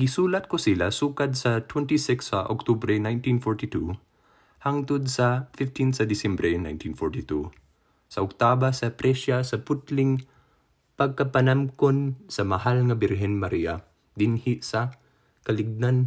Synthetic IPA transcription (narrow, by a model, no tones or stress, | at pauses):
ɡɪsuːlɐt̪̚kʊsɪlasuːkad̪̚sɐt̪wɛnt̪isɪksɐʔo̰k̚t̪ubɾɛnajnt̪ĩnfɔɹt̪it̪u | haŋt̪ʊd̪̚sɐfɪft̪insɐd̪ɪsɛmbɾɛna̰jnt̪infɔɹt̪it̪u | sɐʔʊk̚t̪aːbasɐpɾɛʃasɐpʊt̪lɪŋ | pɐɡ̚kɐpɐnamkonsɐmɐhalŋɐbɪɾɦɛnmɐɾiːa | d̪ɪnhɪʔsɐ | kɐlɪɡ̚nan